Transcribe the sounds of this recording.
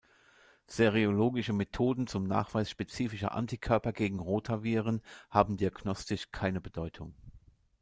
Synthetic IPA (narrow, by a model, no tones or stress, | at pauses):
seʁeoloːɡɪʃəmetʰoːdn̩t͡sʊmna̰ːχv̥aɪsʃpet͡siːfɪʃɐ̰ʔa̰ntikʰœɐpɐɡeːɡŋ̩ʁoːtʰɐviːʁ̞ənhaːbm̩diaɡnɔstɪʃkʰaɪnəbədɔʏtʰʊŋ